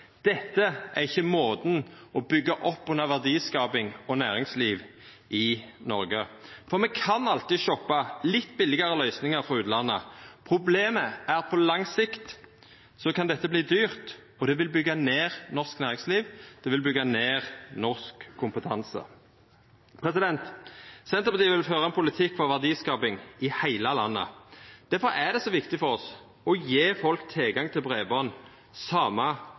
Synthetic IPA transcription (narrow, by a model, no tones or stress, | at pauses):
d̪̥ɛt̪ːəʔæʁɪçːəmoːt̪nɔbʏɡːɑʔɔpːʉnəʋæʁd̪iːskɑːpɪŋɔnæːʁɪŋsliːʋ | ʔɪnɔɾɡəfɔɾmɛkʰɑnɑlt̪iːʃɔpːɑlɪt̪ːbɪlːɪɡɑɾəlœʏsnɪŋɑɾfʁɑʉːt̪lɑnːəpʰʁʊbleːməæʁpʰɔlɑŋsɪkt̪ | sɔkɑnd̪ɛt̪ːəbliːd̪yːʁt̪ | ɔd̪ɛʋɪlbʏɡːɑneːʁnɔʁsknæːʁɪŋsliːʋd̪̥ɛʋɪlbʏɡɑneːʁnɔʁskʰːʊmpət̪ʰɑnsə̰ | pʰʁɛsɪd̪ɛnt̪sɛnt̪əpɑt̪iːʋɪlføːɾʁəɛnpʊlɪt̪ʰɪkːfɔʁʋæʁd̪iːskɑːpɪŋɪhæɪləlɑ̰nːə̰d̪̥æɾfɔɾæd̪ɛsɔʋɪkt̪ɪfɔʁɔs | ɔjeːfɔlkt̪ʰɪlɡɑŋt̪ʰɪlbʁeːbɑn | sɑːmɑ